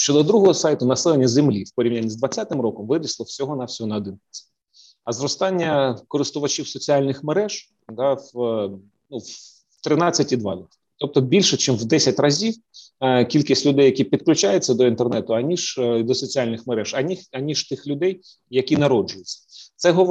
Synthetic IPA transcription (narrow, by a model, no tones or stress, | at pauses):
ʃt͡ʃɔd̪ɔd̪ɾuɦɔɦɔsɑjt̪ʊnɐsɛlˠenʲːɐzemlʲiwpɔɾʲiwnʲanʲːizd̪ʋɐt͡sʲat̪ɪmɾɔkɔmʋɪɾʲislˠɔwsʲɔɦɔnɑwsʲɔɦɔnɐɔd̪ɪnkʲɪt͡sʲɐ̥ | ɐzɾɔst̪ɑnʲːɐkɔɾɪst̪ʊʋɐt͡ʃʲiwsɔt͡sʲialʲnɪxmeɾɛʒ̥ | d̪ɑw | nuw | t̪ɾɪnɑt͡sʲːɐtʲid̪ʋɑ̰d̪ɔ | t̪ɔp̚t̪ɔbʲilʲʃɛt͡ʃimwd̪ɛsʲɐtʲrɐzʲiw | kʲilʲkisʲtʲlʲʊd̪ɛjːɐkʲipʲit̪klʲʊt͡ʃajɪt͡sʲːɐd̪ɔint̪ernɛt̪ʊɐnʲiʒ̥d̪ɔsɔt͡sʲialʲnɪxmeɾɛʒɐnʲiɐnʲiʒ̥t̪ɪxlʲʊd̪ɛjː | ɐkʲinɐɾɔd͡ʒʊjʊt͡sʲːɐ̥t̪sɛɦɔ